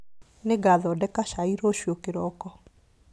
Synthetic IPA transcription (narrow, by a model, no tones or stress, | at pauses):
neɡaðɔdɛkaʃaiɾoʃjokeɾɔkɔ